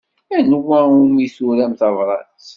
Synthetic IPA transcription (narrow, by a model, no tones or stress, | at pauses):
ænwæumisuɾæmθɑvɾˤɑ̰t͡s